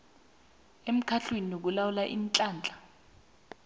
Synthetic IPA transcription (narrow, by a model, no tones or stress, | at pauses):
em̩kʰaɬweninok̬ulawulaʔint͡ɬʼaːnt͡ɬʼḁ